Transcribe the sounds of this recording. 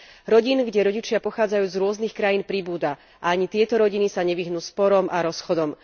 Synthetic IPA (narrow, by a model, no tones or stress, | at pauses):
ɾɔɟiːnɡɟɛɾɔɟit͡ʃɪapɔxaːd͡zajuːzɾʊɔznixkɾajiːnpɾibuːd̪a | ʔaaɲit̪ɪɛt̪ɔɾɔɟinisaɲɛʋiɦnuːspɔɾɔmʔaɾɔsxɔd̪ɔm